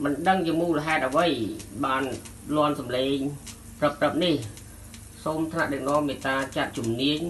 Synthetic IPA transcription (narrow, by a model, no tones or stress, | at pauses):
mɨnɗəŋt͡ɕiəmuːləɦaɛt̪̚ʔəʋɨjɓaːn | lŏənsɑmleːŋ | prəprəp̚nih | soːmt̪ʰnaʔɗək̚nŏəmːiːt̪raːt͡ɕat̪̚t͡ɕumniəɲ